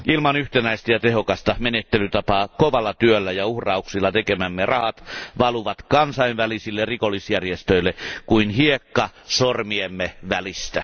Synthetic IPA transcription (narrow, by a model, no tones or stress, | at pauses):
ʔilmɑnyht̪enæist̪æjɑt̪ehokɑst̪ɑmenet̪ːelyt̪ɑpɑːkoʋɑlːɑt̪yølːæjɑuhrɑuksilːɑt̪ekemæmːerɑhɑt̪ʋɑluʋɑt̪kɑnsɑiʋʋælisilːerikolːˑisjærjest̪øilːˑekuinhiekːɑsormiemːeʋælist̪æ